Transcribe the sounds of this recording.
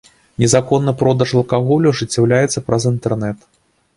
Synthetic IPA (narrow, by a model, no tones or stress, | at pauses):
nʲɛzakɔnːɨpɾɔd̪ɐʂɐlˠkaɣɔlʲuʐɨt͡sʲːɛwlʲajɛt̪sːɐpɾɐzint̪ɛrnɛt̪